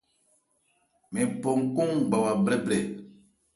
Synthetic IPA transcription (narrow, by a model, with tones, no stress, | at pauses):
mɛ̃˨pɔ˨ŋ˨kɔ̃˦ŋɡ͡ba˨wa˨bɾɛ˦bɾɛ˨